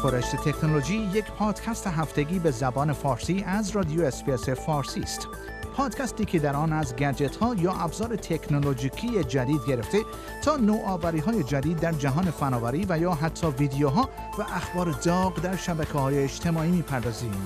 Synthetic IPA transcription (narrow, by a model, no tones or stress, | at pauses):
koɾeʃt̪et̪ʰe̞knoloʒiːjecʰpʰɒːd̪̥kʲʰæst̪eɦæft̪e̞ɡiːbe̞zæbɒːne̞fɒːɾsiːʔæzrɒd̪ijoespiese̞fɒːɾsiːst̪ | pʰɒːd̪̥cʰæst̪iːkʰed̪æɾɒːnæzɡæd͡ʒe̞t̪ʰhɒːjɒːʔæbzɒːɾe̞t̪ʰekʰnolod͡ʒiːkʰiːjed͡ʒæd̪iːd̪ɡe̞ɾe̞ft̪e̞ | t̪ʰɒːnoːʔɒːvæɾiːɦɒːjed͡ʒæd̪iːd̪ːæɾd͡ʒæɦɒːne̞fænɒːvæɾiːvæjɒːɦæt̪ʰːɒːviːd̪ejoɦɒː | væʔæxbɒːɾed̪ɒːɣd̪æɾʃæbækʰehɒːjeːd͡ʒt̪ʰe̞mɒːiːmiːpʰæɾd̪ɒːziːm